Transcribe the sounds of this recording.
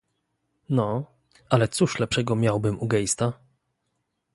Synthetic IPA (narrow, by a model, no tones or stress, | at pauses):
nɔ | alɛt̪suʂlɛpʂɛɡɔmʲjawbɘmuɡɛjst̪a